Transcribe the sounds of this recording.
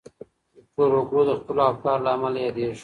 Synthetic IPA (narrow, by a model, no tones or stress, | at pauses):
poɾoɡɽod̪əxpəloafkɑɾlaːmalajɑd̪eʃ